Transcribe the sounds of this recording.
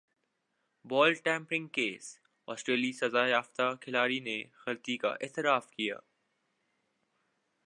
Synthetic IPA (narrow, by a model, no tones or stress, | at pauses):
bɔːlʈɛ̃ːmpɾɪ̃ŋɡkeːs | ɔːsʈɾeːlisɐzaːjaːft̪akʰɪlaːɾinexɐlt̪ika̰ʔɛ̰ːt̪ɪɾaːfkija̰ː